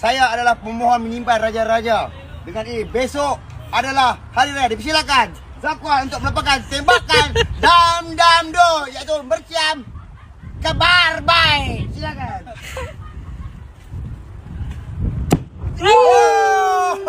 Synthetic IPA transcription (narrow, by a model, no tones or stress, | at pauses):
sajaːdalahpəmoɦɔnməɲimpajrad͡ʒaɾad͡ʒa | dəŋaninibesoʔ | adalahhaɾiɾad͡ʒadipəsilakan | zakwahunt̪ʊk̚məlupakant̪ɛmbakandamdamdohjait̪ubərt͡ʃiam | kabarbajk